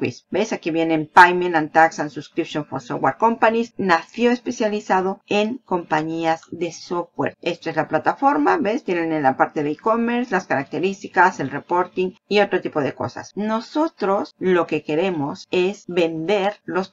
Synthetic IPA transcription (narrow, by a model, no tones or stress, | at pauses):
kwḭsbesakiβje̞nempajmenãnt̪aksansuskɾipʃjonfoso̰waɾko̞mpanisnasjo̞espe̞sjalisaðo̞eŋko̞mpaɲiazðe̞sofwḛɾe̞st̪oe̞zlaplat̪afo̞ɾmabest̪jenenelapaɾt̪e̞ðeiko̞meɾslaskaɾak̚t̪e̞ɾist̪ikase̞lrepo̞ɾt̪iŋio̞t̪ɾot̪ipo̞ðe̞ko̞̰sa̰sno̞sot̪ɾo̞slo̞ke̞ke̞ɾe̞mo̞se̞sβe̞nd̪e̞ɾlo̞s